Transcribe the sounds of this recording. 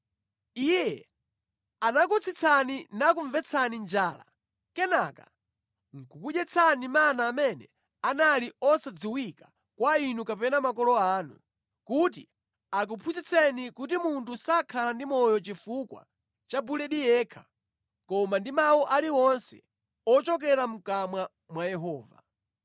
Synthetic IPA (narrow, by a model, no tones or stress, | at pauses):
ijɛ | anak̬ut͡sʰit͡sʰaninakuɱvɛt͡sʰanind͡ʒaːla̰ | kɛnaka̰ | ŋ̩kukuʄɛt͡sʰanimanaːmɛnɛ | analiɔsad͡ziwikḁ | kwainukapɛnamakɔlɔaːnṵ | kuti | ak̬upʰusit͡sʰɛnikut̬imuntʰusakʰalandimɔjɔt͡ʃifukwa̰ | t͡ʃabulɛɗijɛːkʰḁ | kɔmandimawɔʔaliwɔnsɛ̰ | ɔt͡ʃɔk̬ɛɾam̩kamwa | mwajɛɦɔːva̰